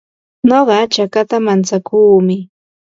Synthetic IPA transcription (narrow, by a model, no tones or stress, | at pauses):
noɢɑt͡ʃakat̪amant͡sakʰuːmɪ